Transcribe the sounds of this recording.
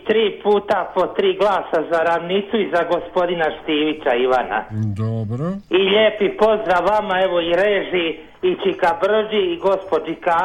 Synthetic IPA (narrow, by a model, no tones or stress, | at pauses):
t̪ɾiːpuːt̪apo̞t̪ɾiːɡlˠaːsazaɾaʋnit̪suizaɡo̞spo̞d̪inaʃt̪iːʋit͡ɕaiʋana̰d̪oiʎeːpipo̞zd̪ɾaʋːamaeʋoiɾeːʒi | it͡ʃikabr̩ʒiːɡo̞spod͡ʒika